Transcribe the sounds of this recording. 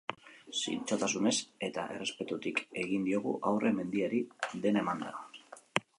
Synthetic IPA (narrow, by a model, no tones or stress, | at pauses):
sḭnt͡sot̪asune̞se̞t̪a̰ʔe̞re̞spe̞t̪ut̪ike̞ɣ̞ind̪io̞ɣ̞uʔawrʔe̞me̞nd̪iaɾiðe̞naemand̪a̰